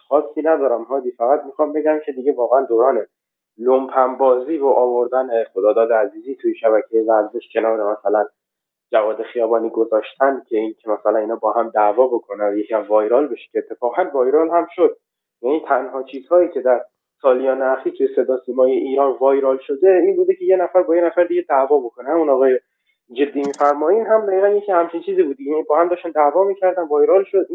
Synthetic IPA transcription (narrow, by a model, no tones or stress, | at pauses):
xɒːsːiːnæd̪ɒːɾæmɦɒːd̪iːfæɣæt̪mixɒːmbe̞ɟæmcʰe̞d̪iɟevɒːɣeænd̪oːɾɒːne | lompʰæmbɒːziːvoʔɒːvo̞ɾd̪æneχod̪ɒːd̪ɒːd̪eæziːziːt̪ʰujeʃæβæcʰejevæɾze̞ʃcʰe̞nɒːɾemæsælæn | d͡ʒævɒːd̪e̞xijɒːbɒːniːɡo̞zɒːʃt̪ʰæncʰe̞incʲʰemæsælæniːnɒːbɒːhæmd̪ævɒːbo̞kʰo̞nænjecʰiæmvɒːjɾɒːlbeʃe̥cʰʲeːt̪ʰːe̞fɒːɣænvɒːjɾɒlhæmʃod̪̚ | jæniːnt̪ʰænɦɒːt͡ʃʰiːz̥hɒːjiːcʲʰe̞d̪æɾ | sɒːlijɒːneæxiːɾt̪ʰuje̞se̞d̪ɒːsiːmɒːjeʔiːnɒvɒːjɾɒːlʃo̞d̪e̞inbuːd̪ecʰe̞je̞næfæɾbɒːjenæfæɾd̪iɟe̞d̪ævɒːbo̞kʰonehæmunɒːɣɒːje | d͡ʒe̞d̪ːiːmiːfæɾmɒːinɦæmd̪æɣiʁænjecʰiːhæmt͡ʃʰint͡ʃʰiːziːbuːd̪iinbɒːhæmd̪ɒːʃt̪ænd̪ævɒːmiːcʰæɾd̪ænvɒːjɾɒlʃod̪